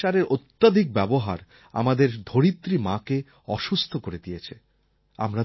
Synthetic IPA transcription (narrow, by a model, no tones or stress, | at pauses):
aɾeɾʔot̪ːad̪ʱik̚bɛboɦa̰ɾ | a̰mad̪eɾd̪ʱoɾit̪ːɾimãke | ɔʃust̪ʰokoɾed̪ijet͡ɕʰe | a̰mɾa